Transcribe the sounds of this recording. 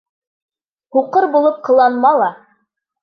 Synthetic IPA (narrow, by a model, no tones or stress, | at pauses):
huqɤɾbulˠɤp̚qʰɤ̆lˠɑnmɑlˠɑ